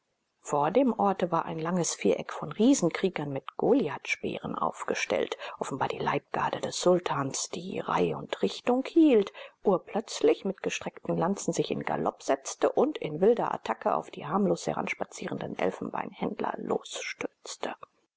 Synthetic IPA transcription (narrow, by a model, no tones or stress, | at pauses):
foːɐdeːmʔɔɐtəvaːɐʔaɪnlaŋəsfiːɐʔɛkfɔnʁiːzn̩kʁ̥iːɡɐnmɪtɡ̥oːljatʃpɛ̰ːʁənʔa̰ʊfɡ̥əʃtɛ̰ltʔɔfn̩baːɐd̥iːla̰ɪp̚ɡ̥a̰ːdədɛsz̥ʊltʰaːnsd̥ḭːʁa̰ɪʊntʁɪçtʊŋkhiːltʔuːɐpʰlœt͡slɪçmɪtɡ̥əʃtʁ̥ɛktn̩lant͡sn̩zɪçɪ̰nɡa̰lɔ̰pz̥ɛt͡stəʔʊntɪnvɪldɐʔa̰tʰakəʔa̰ʊfd̥iːhaɐmloːshɛ̰ʁa̰nʃpat͡siːʁən̩dənʔɛ̰lfn̩ba̰ɪnhɛndlɐ̰lo̰ːsʃtʏɐt͡stʰə